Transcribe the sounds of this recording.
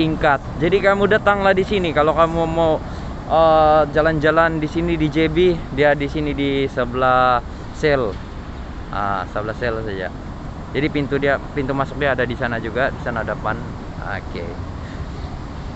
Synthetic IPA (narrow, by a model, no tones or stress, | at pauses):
iŋkat̪̚d͡ʒadikamudat̪aŋlahdisinikalokamumaw | əd͡ʒaland͡ʒalandisinidid͡ʒebidiadisinidisəbəlah | sɛl | ʔa̰səbəlahsɛlsad͡ʒa̰ | d͡ʒadipint̪udiapint̪umasʊk̚diaːdadisanad͡ʒuɡadisanadəpan | a̰kḛ